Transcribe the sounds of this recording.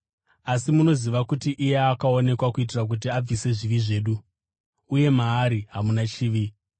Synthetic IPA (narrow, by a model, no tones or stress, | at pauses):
asimuno̞ziʋakutiʔijeakao̞ne̞kwakuit̬irak̬ut̬iab͡vise̞ʐiʋiʐe̞ːɗuː | je̞maːɾiɦamunat͡ʃiːʋi